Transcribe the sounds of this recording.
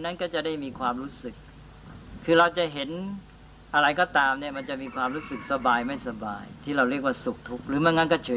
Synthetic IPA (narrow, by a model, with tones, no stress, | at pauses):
na˦˥nkɔː˥˩t͡ɕa˨˩da˥˩jmiː˧kʰwaː˧mɾuː˦˥sɯ˨˩k̚ʰː | ɯː˧ɾa˧wt͡ɕa˨˩ʔɦe˩˦n | ʔa˧ɾa˧jkɔː˥˩t̪aː˧mni˥˩ɐma˧nt͡ɕa˨˩ʔmiː˧kʰwaː˧mɾuː˦˥sɯ˨˩k̚sa˧baː˧jma˥˩jsa˧ba̰ː˧jt̪ʰiː˥˩ɾa˧wɾi˥˩ək̚waː˥˩su˨˩k̚t̪ʰu˦˥k̚ɾɯː˩˦mɯ˥˩ŋa˦˥nkɔː˥˩t͡ɕʰɯː˩˦